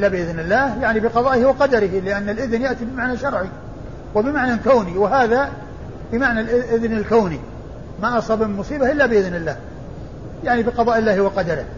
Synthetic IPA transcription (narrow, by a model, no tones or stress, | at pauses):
ʔlːabɪʔɪðnɪlːaːhjaʕnibɪqɑðˤɑːʔɪhɪwɑqɑd̪aɾɪhlɪʔanːalʔɪðnjaʔt̪ibɪmaʕnaʃɑɾˤʕi | wɪbɪmaʕnakawniwɪɦaːða | bɪmaʕnalʔɪʔɪðnɪlkaːni | maʔɑsˤɑbɪmʊsˤiːbaʔɪlːabɪʔɪðnɪlːaːh | jaʕnibɪqɑðˤɑːʔɪlːaːhɪwɑqɑd̪aɾɪ̰h